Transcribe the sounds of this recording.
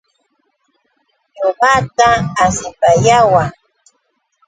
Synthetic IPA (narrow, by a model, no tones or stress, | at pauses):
ɲoɢɑt̪aːsɪpajawa